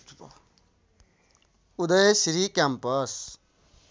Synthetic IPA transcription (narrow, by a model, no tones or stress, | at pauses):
ud̪ʌjsiɾikʲampʌs